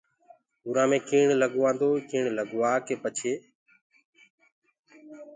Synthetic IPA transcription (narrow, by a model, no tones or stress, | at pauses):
ʊːɾãːmẽːkiːɳləɠːʋãːnd̪oːkiːɳləɠʋaːkeːpət͡ʃʰeː